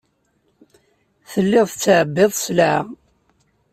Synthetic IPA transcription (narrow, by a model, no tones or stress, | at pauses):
θəlːɪðˤθt͡sːʕəbːeðˤslʕ